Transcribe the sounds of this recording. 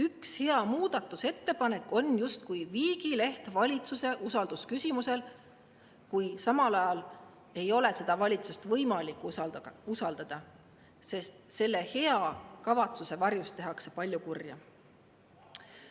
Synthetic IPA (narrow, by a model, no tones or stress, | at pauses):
ykshe̞ɑmuːd̪̥ɑt̪ːˑuse̞t̪ːe̞pɑne̞kːˑo̞njust̪kujviːɡ̥ile̞ht̪vɑlʲit̪suse̞ʔusɑld̪uskysʲimuse̞l | kujsɑmɑlɑjɑl | e̞jo̞le̞se̞d̪̥ɑvɑlʲit̪sust̪vɤjmɑlikːˑusɑld̪̥ɑd̪̥ɑ | se̞st̪se̞lːe̞he̞ɑkɑvɑt̪suse̞vɑrjust̪ːe̞ɦɑkse̞̥pɑlʲjukurjɑ̰